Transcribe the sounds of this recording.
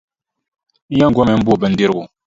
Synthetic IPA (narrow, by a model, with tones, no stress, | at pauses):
n̩˦ja˦ŋ˨ɡʷwɔ˦mɛ˨m̩˦bu˦˨bə˦n̩˦di˦ɾɡu˨